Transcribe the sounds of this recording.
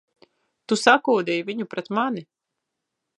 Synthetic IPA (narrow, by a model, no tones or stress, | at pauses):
t̪usakuːd̪ɛjviɲupɾɛt̪mani